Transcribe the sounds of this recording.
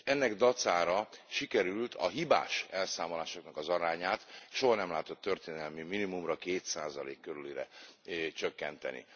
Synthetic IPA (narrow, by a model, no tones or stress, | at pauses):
ɛnːɛɡd̪ɒt̪saːɾɒʃikɛɾylt̪ʰɒ̰ɦiba̰ːʃɛlsaːmo̞laːʃo̞knɒkɒzɒɾaːɲaːt̪ʃoɦɒnɛmlaːt̪o̞t̪ːørt̪eːnɛlmiminimumrɒkeːt̪saːzɒlḛːkːøɾyliɾɛ̰t͡ʃøkːɛnt̪ɛ̰nḭ